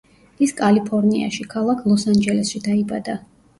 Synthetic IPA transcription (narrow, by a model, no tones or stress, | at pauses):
iskʼalipʰɔɾnia̰ʃikʰalˠakʰlˠɔsand͡ʒɛlɛsʃid̪aibad̪a